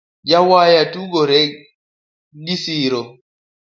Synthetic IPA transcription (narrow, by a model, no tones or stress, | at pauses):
d͡ʒawaːjatuɡɔɾɛ | ɡisiːɾɔ